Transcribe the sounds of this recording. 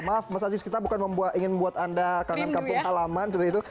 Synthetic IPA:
mafmasad͡ʒɪskit̪abukanməmbuat̪iŋɪnbuat̪andakaŋankapʊŋhalamant̪uɾait̪u

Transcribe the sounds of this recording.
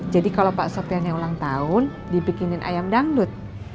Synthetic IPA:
d͡ʒadikalawpaʔsɔt̪ianɲaŋulaŋt̪aʊn | dipikinɪnʔa̰jamdaŋdʊt̪̚

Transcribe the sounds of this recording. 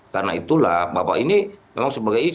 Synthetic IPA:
karnait̪ulahbapa̰inimemaŋsəbaɡaj

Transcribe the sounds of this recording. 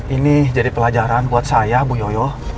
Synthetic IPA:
inid͡ʒadipəlad͡ʒaɾanbuat̪̚sajahbujɔjɔ

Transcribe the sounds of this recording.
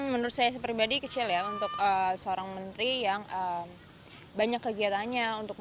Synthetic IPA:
mənəɾʊt̪̚sajasəpɾibadikət͡ʃiljaunt̪ʊkəsəoɾaŋmənt̪ɾijaŋəm | baɲakːəɡiat̪aɲaunt̪ʊk̚

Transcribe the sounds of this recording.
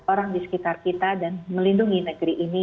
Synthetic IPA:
oɾaŋdisə̥kit̪arkit̪adanməlinduŋinəɡəɾiʔːni

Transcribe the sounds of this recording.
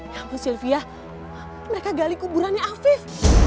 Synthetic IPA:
jaŋkusilfia | məɾekaɡalikubuɾanaafɪf

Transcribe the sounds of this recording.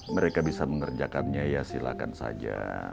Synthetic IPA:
məɾekabisaməŋərd͡ʒakanɲajasilakansa̰d͡ʒa

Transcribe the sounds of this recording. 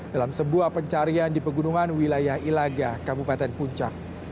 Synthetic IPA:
d̥alamsəbuapəɲt͡ʃaɾiandipəɡunuŋanwilajahilaɡakabupat̪ɛnpuɲt͡ʃa̰k̚

